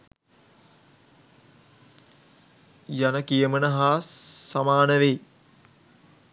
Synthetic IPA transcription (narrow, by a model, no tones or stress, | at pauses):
janəkijəmənəɦaːsamaːnəʋe